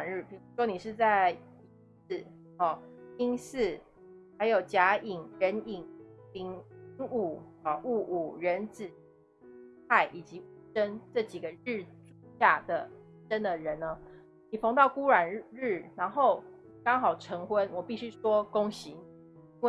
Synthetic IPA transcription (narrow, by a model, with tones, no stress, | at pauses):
nɻ̩˥˩pʰi˧˦ŋu˧˥ʂwɔ˥ni˨˩ʂɻ̩˥˧t͡sa˥˧ɪ | i˥˧˥s̩˥˨˩ | ɔ˨˩i˥ŋs̩˥˩ | ha˧˥ɪjo˨˩ʊt͡ɕja˧˥i˨˩ŋɻə˧˦˥ni˨˩ŋli˧˥ŋi˧˥ŋu˨˩˨ʔu˥˧ʔu˨˩ɻə˧˦nt͡sɹ̩˨˩ | a˥˩ɪʔi˨˩t͡ɕi˨˧˥u˥˩ʂə˥˦nʈ͡ʂɤ˥˩t͡ɕi˨˩ɡə˦ɻ̩˥˩ʈ͡ʂu˨ɕja˥˩d̪ə˩˧˥ | ʈ͡ʂə˦nd̪ə˨ɻə˧˦nnə˦ | ni˨˩fɑ˧˥ŋt̪ɑ˥˩ʊku˥ɻwa˨˩nɻ̩˥˩na˧˥nxo˥˩ʊ | kɑ˥ŋxɑ˨˩ʊʈ͡ʂʰɤ˧˥ŋxwə˦nwɔ˨˩pi˥˩ɕy˥ʂwɔ˥ko˥ŋɕi˧˦ŋ | i˥nwe˥˨